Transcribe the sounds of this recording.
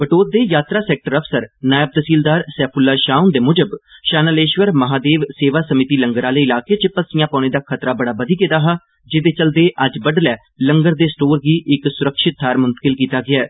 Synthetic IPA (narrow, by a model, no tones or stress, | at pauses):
bəʈoːt̪̚d̪eːjaːt̪ɾaːsɛːk̚ʈəɾəpʰsəɾnaːjəb̚d̪əsiːld̪aːɾsɛːpʰʊlːaːʃaːund̪eːmʊd͡ʒəbʃaːnəleːʃʋəɾməɦaːd̪eːʋseːʋaːsəmɪt̪iːləŋɡəɾaːleːɪlaːkeːt͡ʃpəsɪjãːpãːneːd̪aːkʰət̪ɾaːbəɽaːbəd̪iːked̪aːɦaː | d͡ʒeːd̪eːt͡ʃəld̪eːʔəd͡ʒbəɖlɛː | ləŋɡəɾd̪eːsʈoːɾɡiːʔɪksʊɾəkʃɪt̪̚ːaːɾmʊnt̪ə̥kɪlkiːt̪aːɡɪaɛː